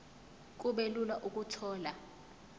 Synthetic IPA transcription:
k̬ʼuɓelulaʔukʼutʰɔːla

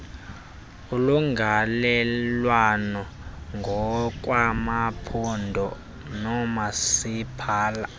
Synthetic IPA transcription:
uluŋɡʱalɛlwanɔ | ŋɡʱɔk̬ʼwamapʰɔndʱɔ | nɔmasipʰaːla

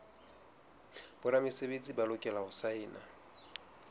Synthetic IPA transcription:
b̥ʊɾamɪsebet͡sʼibalʊkʼɛlaʊsaɪːna̰

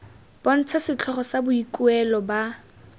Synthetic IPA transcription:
b̥ɔn̩t͡sʰasɪt͡ɬʰɔχɔsabʊikuɛlɔba

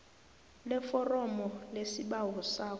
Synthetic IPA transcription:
lɛfɔrɔmɔlesiɓawɔsaːk

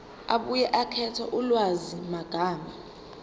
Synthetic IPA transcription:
aɓujɛʔakʰɛtʰɔʔulwazimaɡ̥ʱaːma

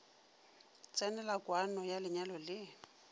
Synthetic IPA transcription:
t͡sʼɛnɛlakwanɔjalɪɲalɔlɪ

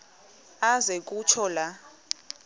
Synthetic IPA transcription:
azek̬ʼut͡ʃʰɔla

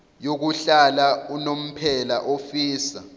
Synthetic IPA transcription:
jok̬uɬalaunom̩pʰɛlaʔofiːsa̰

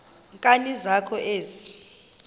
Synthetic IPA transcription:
ŋkʼanizakʰɔʔeːzi

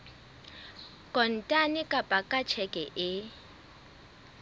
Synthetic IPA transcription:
kʼɔn̩tʼanɪkʼapʼakʼat͡ʃʰɛkʼɛʔɪ

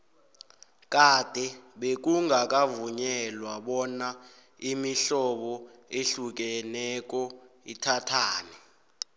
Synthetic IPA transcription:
k̬ʼad̥ʱɛɓek̬uŋak̬ʼavuɲɛlwaɓɔna | imiɬɔɓɔeɬuk̬ɛnɛk̬ɔitʰatʰaːnɛ

